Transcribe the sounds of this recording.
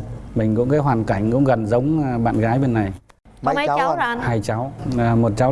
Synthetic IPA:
mï˨˩ŋ̟kʊ̰˧˥ŋ͡mkaː˨˦jɦwaː˨˩nka˧˩jŋ̟kʊ̰˧˥ŋ͡mɣə˨˩nzə˨˦wŋ͡mɓa̰ː˧˨nɣaː˨˦jɓe˨˩nːa˨˩j | a˧˦˨haː˧jt͡ɕa˨˦wmo˨˩t̚t͡ɕa˨˦w

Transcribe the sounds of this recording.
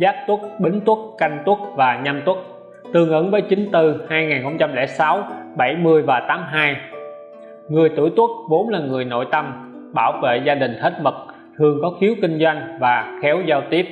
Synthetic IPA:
zaː˦˥p̚t̪wʊ˦˥k̚ɓï˨˦ŋ̟t̪wʊ˦˥k̚ka˧jŋ̟t̪ʊ˦˥k̚vaː˨˩ɲa˧mt̪ʊ˦˥k̚ | t̪ɨ˧˩əŋʔə˨˦ŋvəː˨˦jt͡ɕï˨˦ŋ̟t̪ɨ˧˩haː˧jŋaː˨˩nxə˧wŋ͡mt͡ɕa˧mlɛ̰˧˩sa˨˦wɓa˧˩jmɨ˧əjvaː˨˩t̪aː˨˦mɦaː˧j | ŋɨ˨˩əjt̪ɨ̰˧˩jt̪wu˦˥k̚vo˨˦nlaː˨˩ŋɨ˨˩əjno̰˧˨jt̪ə˧m | ɓaː˧˩wvḛ˧˨zaː˧ɗï˨˩ŋ̟t̪ʰə˦˥t̚mə˨˩t̚ | t̪ʰɨ˨˩əŋkɔ˨˦xi˨˦əwkï˧ŋ̟zwa˧jŋ̟vaː˨˩xɛ˨˦wzaː˧wt̪i˦˥əp̚

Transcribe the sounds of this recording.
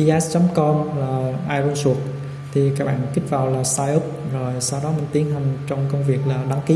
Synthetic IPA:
i˧ʔɛ˦˥st͡ɕɔ˨˦mkɔ˧mlaː˨˩ʔaː˧jɾo˧nsu˨˩ək̚ | t̪ʰi˨˩kaː˦˥k̚ɓa̰ː˧˨nki˦˥k̟̚vaː˨˩wlaː˨˩saː˧jʔu˦˥p̚zo˨˩jsa˧wɗɔ˨˦mï˨˩ŋ̟t̪i˨˦ənɦa˨˩jŋ̟t͡ɕɔ˧wŋ͡mkə˧wŋ͡mvi˨˩ək̚laː˨˩ɗa˨˦ŋki˨˦

